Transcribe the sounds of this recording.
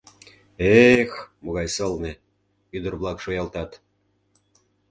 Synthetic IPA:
exmoɣɑjsɤ̆lnĕ | yd̪ə̆rβlˠɑkʃojɑlˠt̪ɑt̪

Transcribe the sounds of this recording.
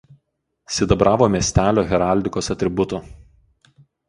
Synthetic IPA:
sʲɪd̪ɐbɾɑːʋoːmʲiɛsʲt̪ʲæːlʲoːɣʲɛɾɑˑlʲd̪ʲɪkoːsɐt̪ʲɾʲɪbʊt̪ʊ

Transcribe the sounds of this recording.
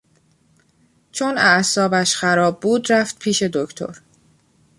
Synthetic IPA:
t͡ʃʰo̞næʔsɒːbæʃxæɾɒːbːuːd̪ɾæft̪̚pʰiːʃe̞d̪ocʰt̪ʰo̞̰ɾ

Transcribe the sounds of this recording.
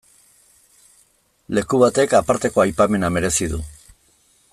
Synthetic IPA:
le̞kuβat̪e̞kapaɾt̪e̞ko̞ajpame̞name̞ɾe̞siðu

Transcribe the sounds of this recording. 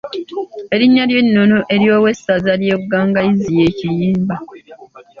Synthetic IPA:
e̞ɾiɲːaljenːunuʔe̞ɾjo̞ːwe̞sazaljeɡːaːŋɡaizije̞ːcijiːmba

